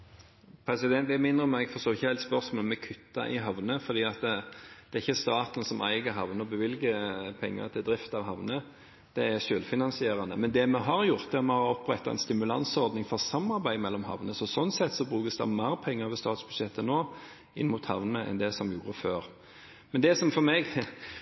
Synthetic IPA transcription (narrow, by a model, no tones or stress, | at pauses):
pʰɾɛsɪd̪ɛnt̪æmɪnd̪ɾəɔmɛɡfɔstoːɪçːəhæɪt̪spœɾsmoːlmɛkʰʉt̪ːɑ̰ʔɪɦɑʋnəfɔɾd̪iːɑt̪d̪̥ɛæɾɪçːəst̪ɑːt̪nsɔmʔæ̰ɪɡəɦɑʋnəɔbəʋɪlɡəpʰɛŋːə̰t̪ʰɪld̪ɾɪft̪ɑʋɦɑʋnə | d̪̥ɛæɾʃøːlfɪnɑnsɪeːɾɑnəmɛnd̪ɛmɛɦɑɾjʊɾt̪ɛmɛhɑɾɔpɾɛt̪ːɑɛ̰nst̪ɪmʉlɑ̰nsɔɾd̪nɪŋfɔɾsɑmːɑɾbæɪmɛlːɔmhɑ̰ʋnəsɔsɔnːsɛt̪ːsɔbɾʉːkəsd̪ɑ̰mæɾpʰɛŋːəʋɛst̪ɑːt̪sbʉ̥ʂɛt̪ːənoː | ɪ̰nmʊt̪hɑ̰ʋnəʔɛ̰nd̪ɛsɔmjuːɾəføːɾ | mɛnd̪ɛsɔmfɔɾmɛːɡ